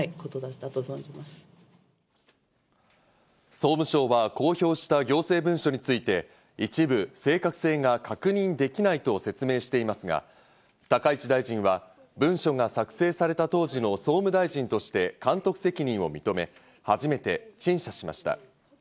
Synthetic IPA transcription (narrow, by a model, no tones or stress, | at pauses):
kot̪od̪at̪ːat̪ozõɲimasɨ̥ | so̞ːmɯ̟ɕo̞ːβako̞ːço̞ːɕi̥t̪aɡʲo̞ːse̞ːbɯ̟̃ɰ̃ɕo̞ɲ̟it͡sɨit̪e̞ | it͡ɕibɯ̟se̞ːkakɯ̟̥se̞ːŋakakɯ̟ɲ̟ĩnd̪e̞kʲinait̪o̞se̞t͡sɨme̞ːɕi̥t̪e̞imasɨɡa̰ | t̪akait͡ɕid̪aiʑĩɰ̃βa | bɯ̟̃ɰ̃ɕo̞ŋasakɯ̥se̞ːsaɾe̞t̪at̪o̞ːʑino̞so̞ːmɯ̟d̪aiʑĩnt̪o̞ɕi̥t̪e̞kãnt̪o̞kɯ̟̥se̞kʲiɲ̟ĩɰ̃o̞̰mʲit̪o̞me̞ | haʑime̞t̪e̞t͡ɕĩɰ̃ɕaɕima̰ɕi̥t̪a̰